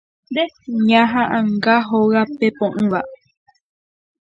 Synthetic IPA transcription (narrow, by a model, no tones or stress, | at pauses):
nd̪eɲãɦãʔãŋɡaɦoɰapepõʔɨ̃ʋa